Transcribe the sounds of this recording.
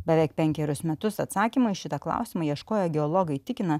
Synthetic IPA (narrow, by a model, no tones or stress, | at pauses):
bʲɛʋʲɛɪk̚pʲɛŋʲkʲɛɾʲʊsmʲɛt̪ʊsɐt̪sɑːkʲimɐɪʃʲɪt̪ɐklˠɑ̰ˑʊsʲɪmɐɪiɛʃkoːjɛɡʲɛɔlˠoːɡɐɪt̪ʲɪkʲɪnɐ